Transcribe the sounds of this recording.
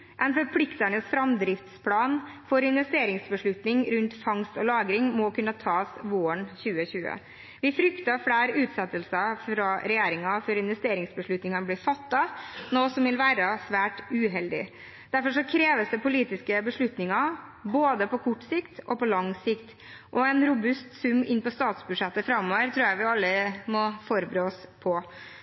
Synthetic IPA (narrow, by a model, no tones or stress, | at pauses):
ʔɛnfɔɾpʰlɪkt̪æɳəsfɾɑmd̪ɾɪft̪spʰlɑːnfɔɾɪnʋɛst̪eːɾɪŋsbəʂɭʉt̪nɪŋɾʉnt̪fɑŋst̪ɔlɑːɡɾɪŋmɔkʰʉnːət̪ʰɑːsʋoːəɳçʉːəçʉːə̰ | ʋɪfɾʏkt̪ɑfɽæːɾʉːt̪sɛt̪ːəlsəfɾɑɾɛjeːɾɪŋɑfɔɾɪnʋɛst̪eːɾɪŋsbəʂɭʉt̪nɪŋɑnəblɪːɾfɑt̪ːɑnoːsɔmʋɪlʋæːɾɑsʋæːʈʉːɦɛld̪ɪ̰ | d̪̥æɾfɔʂɔkʰɾeːʋəsd̪əpʊliːt̪ɪskəbəʂɭʉt̪nɪŋɑboːd̪əpʰɔkʰɔʈːsɪkt̪ʔɔpɔlɑŋsɪkt̪ | ʔɔɛnɾʊbʉst̪sʉmːɪnːpɔst̪ɑːt̪sbʉʂɛt̪ːəfɾɑmːɔːʋəɾt̪ʰɾuːjæʋɪɑlːəmɔfɔɾbɾøːɔspʰɔ